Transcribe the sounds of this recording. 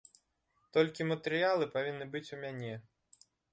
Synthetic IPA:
t̪ɔlʲkʲimɐt̪ɛɾɨjalˠɨpavʲinːɨbɨt͡sʲumʲanʲɛ

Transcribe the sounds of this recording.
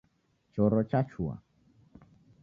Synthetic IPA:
t͡ʃɔɾɔt͡ʃat͡ʃʰua̰

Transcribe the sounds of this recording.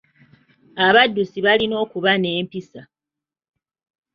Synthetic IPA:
aβadːusiβalino̞ːkuβane̞ːmpisa

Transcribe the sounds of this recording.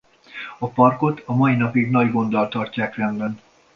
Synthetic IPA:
ɒpɒrko̞t̪ʰɒmɒinɒpiɡnɒɟɡo̞nd̪ɒlt̪ɒrcaːkrɛmbɛn

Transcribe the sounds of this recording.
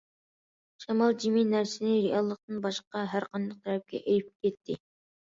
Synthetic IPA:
ʃɑmɑlˠd͡ʒiminæɾsɪnɪɾeɑlˠːəq̚t̪ɨnbɑʃqɑɦæɾqʰɑnd̪ɨq̚t̪ʰɾɛp̚kʲɛ̰ʔejip̚kʲɛt̪ʰːɪ

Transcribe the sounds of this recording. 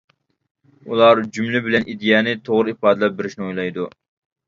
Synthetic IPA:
ulˠɑɾd͡ʒumlɪbɪlɛnʔid̪ijɛːnɪt̪ʰoʁɾɨipʰɑːd̪ɨlˠɛp̚bɪɾɪʃnɪojlˠɑjd̪u

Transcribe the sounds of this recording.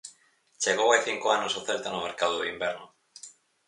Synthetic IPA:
t͡ʃeɣ̞owajθiŋkoanosoθelt̪anomeɾkaðoðoimbɛɾnʊ

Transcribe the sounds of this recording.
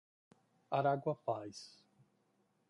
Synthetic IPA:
aɾaɡwɐpajs

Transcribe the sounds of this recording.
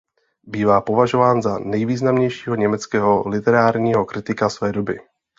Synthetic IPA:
biːvaːpo̞vaʒo̞vaːnzanɛjviːznamɲɛjʃiːɦoɲɛmɛt͡skɛːɦolɪt̪ɛɾaːɾɲiːɦo̞kɾɪt̪ɪkasvɛːdobɪ

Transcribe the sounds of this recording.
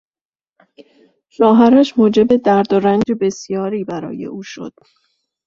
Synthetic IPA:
ʃɒːɦæɾæʃmoːd͡ʒe̞be̞d̪æɾd̪oɾænd͡ʒe̞be̞sjɒːɾiːbæɾɒ̰ːje̞̰ʔuːʃo̰d̪̥

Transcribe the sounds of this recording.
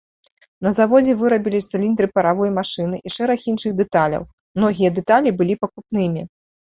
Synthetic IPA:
nɐzavɔd͡zʲɛvɨɾɐbʲilʲit̪sɨlʲind̪ɾɨpɐɾavɔjɐmaʂɨnɨʔiʂɛɾɐxinʂɨɣd̪ɛt̪alʲɐ̰w | mnɔɣʲijɐd̪ɛt̪alʲibɨlʲipɐkupnɨmʲi

